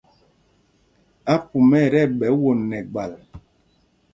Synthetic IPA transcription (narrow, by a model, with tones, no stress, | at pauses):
a˦pu˨mɛ˦˨ɾɛ˦˨ɓɛ˨˦wo˨nːɛ˨ɡ͡ba˨l